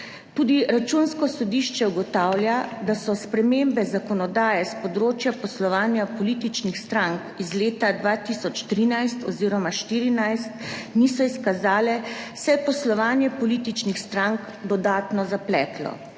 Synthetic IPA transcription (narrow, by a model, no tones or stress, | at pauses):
t̪uːd̪iɾat͡ʃunskɔsɔd̪iːʃt͡ʃɛuɡɔt̪aːwlʲjad̪asɔspɾɛmembɛzakɔnɔd̪aːjɛspɔd̪ɾoːt͡ʃjapɔslɔʋaːnjapɔlit̪it͡ʃnixst̪ɾaŋkizleːt̪ad̪ʋaːt̪isɔt͡ʃt̪ɾiːnajst̪ɔ̰ziːɾɔmaʃt̪iːɾinajst̪niːsɔiskazaːlɛsɛpɔslɔʋaːnjɛpɔliːt̪it͡ʃnixst̪ɾaŋk | d̪ɔd̪aːt̪nɔzaplɛːt̪lɔ̰